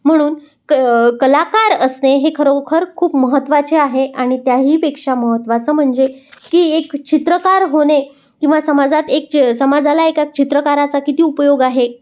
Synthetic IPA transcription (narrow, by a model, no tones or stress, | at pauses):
m̤əɽ̃uːn | kəlakaɾəsneɦekʰəɾokʰəɾkʰuːpməɦət̪ːʋat͡ɕeaɦeaɽ̃it̪jaɦiːpekʂaməɦət̪ːʋat͡səːm̤əɳd͡zekiːekt͡ɕit̪ɾəkaɾɦoɽ̃e | kĩw̃ʋasəmad͡zat̪eksəmad͡zalaekak̚t͡ɕit̪ɾəkaɾat͡sakit̪iːupəjoɡaɦe